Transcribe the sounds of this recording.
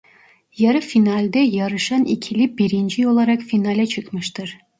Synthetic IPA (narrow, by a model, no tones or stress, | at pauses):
jɑɾɯfinɑlʲd̪ɛjɑɾɯʃɑnikʲʰilibiɾint͡ʃʰijolˠɑɾɑqfinɑlʲɛt͡ʃʰɨqmɯʃt̪ɯɾ